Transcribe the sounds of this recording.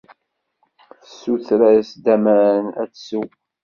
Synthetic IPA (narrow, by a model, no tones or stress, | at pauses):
əsːuθɾæsd̪æmæɾənæ̰t͡ssu